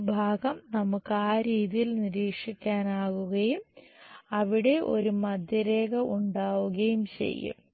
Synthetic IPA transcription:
bʱaːɡɐmnɐmukːaːɾiːðijilniɾiːkʂikʲːaːnaːɣuɣɐjumɐʋiɽe̞ʔo̞̰ɾumɐd̪ʱjɐɾeːɣɐuɳɖaːʋuɣɐjumt͡ɕe̞̰jːṵm

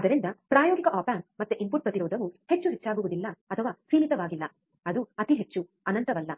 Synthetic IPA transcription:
ɐd̪ɐɾind̪ɐpɾaːjoːɡikɐʔaːpaːnmɐt̪ːuʔimpuʈ̚pɾɐt̪iɾɔːd̪ɐʋuhe̞t͡ʃːuɦet͡ʃːaːɡuʋud̪ilːɐɐt̪ʰɐʋaːsiːmit̪ɐʋaːɡilːɐ | ɐd̪uɐt̪iɦe̞t͡ʃːu | ɐnɐnt̪ɐʋɐlːɐ

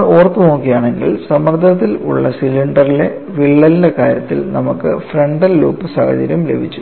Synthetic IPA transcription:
ɭo̞ːrɐt̪ːɨnoːkːijaːɳe̞ŋɡḭlsɐmɐrd̪ʱɐɐt̪ːilṵɭːɐsilːiɳɖɐrile̞ | ʋiɭːɐlinde̞kaːɾjɐt̪ːilnɐmukːɨ̰freɳɖɐlːṵːpːɨsaːhɐ̰d͡ʑɐ̰ɾjɐmle̞̰bʱit͡ɕːu̥

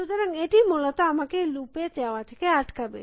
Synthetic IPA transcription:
ud͡ʑaɾaŋeʈimolat̪oamakelupet͡ɕaoat̪ʰekeaʈkabḛ

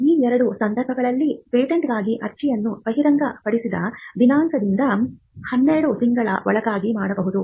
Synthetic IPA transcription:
iːɛɾɐɽusɐnd̪ɐɾbʱɐɡɐɭɐlːipeːʈeɳʈɡaːɡiʔɐɾt͡ʃijɐnːupɐɦiɾɐŋɡɐpɐɽisid̪ɐ̰ʋinaːŋkɐd̪ind̪ɐ | hɐnːeɾɐɽut̪iŋɡɐɭɐ̰ʋɔ̰ɭɐɡaːɡimaːɽɐbɐɦud̪u

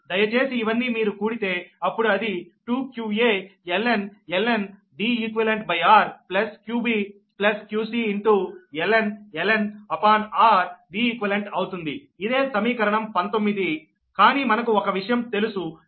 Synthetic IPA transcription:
d̪ɐjɐt͡ʃe̞ːsiːʋɐnːiːmiːɾukuːɽit̪e̞ːɐpːuɽuɐd̪iʈuːkjuːeːelːenelen | ɖiːikʋeleɳʈbɐjaːɾplɐskjuːbiː | plɐskjuːsiːɳʈuelenelenɐpaːnaːɾɖiːiːkʋɐleɳʈɐwt̪und̪i | id̪e̞ːsɐmiːkɐɾɐɳɐmpɐnt̪omːid̪i | kaːniːmɐnɐkuɔkɐʋiʂɐjɐmt̪e̞lusu

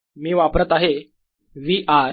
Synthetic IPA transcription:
miːʋapɾət̪aɦe | ʋiːʔaɾ

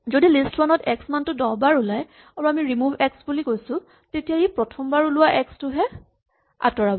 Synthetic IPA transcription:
zodilistwanɔtɛksmantʊdɔbaɹulaj | aɹuamiɹimubʱɛksbulikojsʊ̃ | tetijaipɹɔtʰɔmbaɹulʊwaʔɛkstʊɦɛ | a̰tɔɹabɔ

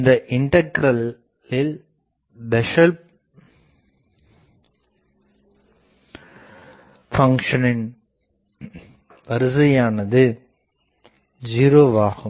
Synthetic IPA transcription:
nd̪ɐʔɪɳɖɐɡɾɐl | ɪl | bɛʂɐlp̚ | fɐŋkʂɐnɪn | ʋɐɾɯs̬ɐjaːnɐðɯ | d͡ʒiːɾoːʋaːɣɯ

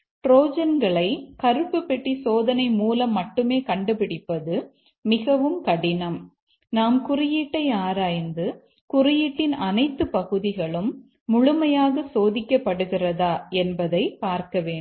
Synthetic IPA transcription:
ʈɾoːd͡ʒɐnɡɐɭɐɪkɐɾɯpːɯpːɛʈːisoːðɐnɐɪmuːlɐmːɐʈːɯmeːkɐɳɖɯpɪɽɪpːɐðɯ | mɪɣɐʋɯmkɐɽɪnɐm | naːmkʊrɪjiːʈːɐɪaːɾaːjnd̪ɯ | kʊrɪjiːʈːɪnɐnɐɪt̪ːɯpɐɣɯðɪɣɐɭɯmː | ʊɻʊmɐjaːɣɐsoːðɪkʲːɐpːɐɽɯɣɪrɐðaːɛnbɐðɐɪpaːɾkɐʋeːn

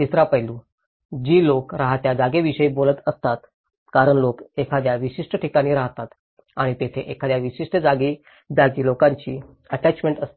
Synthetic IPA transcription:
t̪isɾapəɦlũ | d͡ʑiːlokɾaɦat̪jad͡zaɡeʋiɕəiːbolət̪əst̪at̪ | kaɾəɳlokekʰad̪jaʋiɕiʂʈəʈʰikaɽ̃iːɾaɦt̪at̪ | aɽ̃it̪et̪ʰeʔekʰad̪jaʋiɕiʂʈəd͡zaɡiː | d͡zaɡiːlokaɲt͡ɕiː | əʈæt͡ɕmeɳʈəst̪i

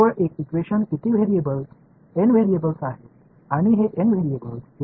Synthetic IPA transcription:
əɾeksit͡ʃʋeʃənkit̪ʰiʋeɾiebəl | enʋeɾiebəlsaɦe | añiɦeʔenʋeɾiebəls

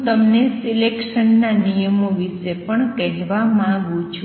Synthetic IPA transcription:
t̪əmnesilekʃənːanijəmoʋisepəɳkɛɦʋamãɡũt͡ʃʰu

